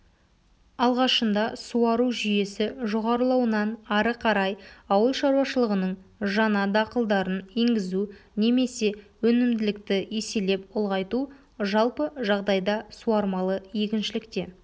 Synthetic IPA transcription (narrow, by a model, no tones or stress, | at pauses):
ɑlˠʁɑʃənd̪ɑsuɑɾuʒʏje̞sɪʒo̞ʁɑɾəlˠɑwənɑnɑɾəqʰɑɾɑjɑwəlˠʃɑɾwɑʃəlˠəʁənəɴʒɑnɑd̪ɑqəlˠd̪ɑɾəne̞ŋɡʲɪzune̞me̞se̞wɵnɪmd̪ɪlɪkt̪ɪjese̞le̞pʊlˠʁɑjt̪u | ʒɑlˠpəʒɑʁd̪ɑjd̪ɑsuɑɾmɑlˠəje̞kʲɪnʃɪlɪkt̪e̞